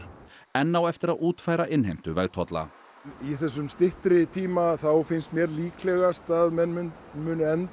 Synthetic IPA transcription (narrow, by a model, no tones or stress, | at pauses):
ɛnːawɛft̪ɪɾaðuːt̪faːjɾaʔɪnɦejm̥t̪ʏvɛ̰ɣt̪ʰɔt̪la̰ | iθɛs̬ːʏmst̪ɪht̪ɾɪt̪ʰiːmaθawfɪnst̪mjɛɾliːklɛɣast̪aðmɛnmʏn | mʏːnʏɛnt̪